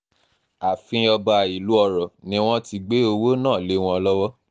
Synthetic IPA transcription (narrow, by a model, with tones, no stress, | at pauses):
a˨fĩ˧ɔ˧ba˨˧˨i˨lu˦ɔ˦˧˨ɾɔ˨nĩ˦w̃ɔ̃˦ti˧ɡ͡be˦o˧wo˦nãː˦˨le˨˦w̃ɔ̃˦˧lɔ˦wɔ˦